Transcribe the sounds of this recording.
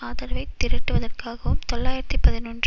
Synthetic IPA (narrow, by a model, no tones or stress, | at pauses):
aːðɐɾɐʋɐɪt̪ːɪɾɪʈːɯʋɐðɐrkaːɣɐʋɯmt̪ɔɭːaːjɪɾɐt̪ːipːɐðɪnɔndr